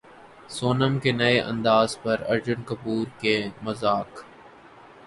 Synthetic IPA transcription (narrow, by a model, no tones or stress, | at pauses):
soːnəmkenɐeʔɐ̰̃nd̪aːzpɐɾɐ̰ɾd͡ʒənkɐpuːɾkemɐzaːk